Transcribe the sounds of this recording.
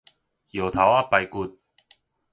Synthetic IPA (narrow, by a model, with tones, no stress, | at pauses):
jo˨˩wt̪ʰa˨˥wa˥pːɐ˨˧jku˧t̚